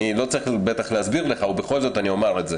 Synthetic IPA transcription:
ilo̞t͡saʁiχbet̪aχleasbiʁle̞χaubeχo̞lzo̞taniomaʁetze

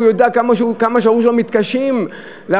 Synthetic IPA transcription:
jod̪eakamaʃkamaʃauʃlamit̪kaʃim | le

